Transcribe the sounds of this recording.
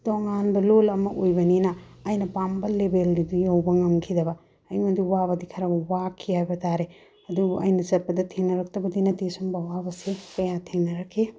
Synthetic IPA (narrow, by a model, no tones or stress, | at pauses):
d̥oŋanbɐlolɐmɐʔojbɐninɐːjnɐpambɐlebeldidijowbɐŋɐmkʰidɐbɐ | ɐjmɐdiwabɐdikʰɐɾɐbwakʰːihajbɐtaɾe | ɐduɐ̰jnɐsɐt̚pɐdɐtʰeŋnɐɾɐk̚tɐbɐdinɐtisumbɐwabɐsekɐjatʰeŋnɐɾɐkʰːe